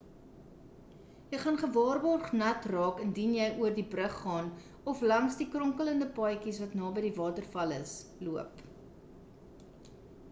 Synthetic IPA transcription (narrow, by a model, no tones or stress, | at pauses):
jəjχɐnχəvɑːrbɑːrχnɐtrɑːkəndinjəjʔuərdibrəχːɑːn | ɔflɐŋsdikrɔŋkələndəpɑjkisvɐtnɑːbəjdivɑːtərfɐləsluəp